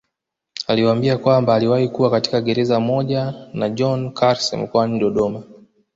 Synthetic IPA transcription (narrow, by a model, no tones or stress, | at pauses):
aliwambiakwambaːliwahikuwakati̥kaɠɛɾɛzamɔʄanaʄɔnkʰaɾsɛ̰m̩kɔaniɗɔɗɔma